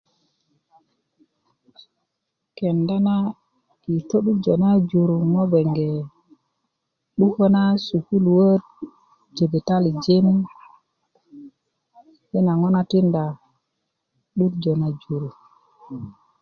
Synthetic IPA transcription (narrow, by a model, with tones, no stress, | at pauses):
ke˨nda˦na˦ | i˨to˦ɗu˦d͡ʒo˨na˦d͡ʒu˨ɾu˨ŋo˦be˨ŋɡe˨ | ɗu˦ko˦na˦su˨ku˦lwə˦t̚ | d͡ʒe˨be˨ta˦li˨d͡ʒe˦n | ɓe˦na˨ŋo˦na˦ti˦nda˨ | ɗu˦td͡ʒo˨na˨d͡ʒu˨ɾu˨